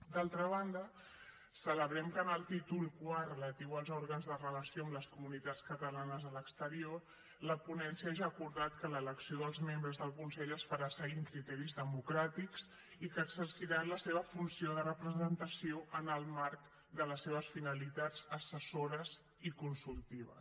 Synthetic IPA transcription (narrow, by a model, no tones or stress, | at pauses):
d̪alˠt̪ɾəβ̞and̪ə | sələβɾɛmkənəlˠt̪it̪ulˠkwarələt̪iwəlˠzɔɾɣənzðərələsioəmləskumunit̪at͡skət̪əlanəzðələkst̪əɾior | ləpunɛnsiaʒaːkuɾðat̪kələləksioðəlˠzmembɾəzðəlˠkunsɛʎəsfaɾasəɣiŋkɾit̪ɛɾizðəmukɾat̪iks | ikəːɡsəɾsiɾanləseβəfunsioðərəpɾəzənt̪əsioʔənəlˠmaɾk | d̪ələsːeβ̞əsfinəlit̪ad͡zəsəsoɾəz | ikunsulˠt̪iβə̰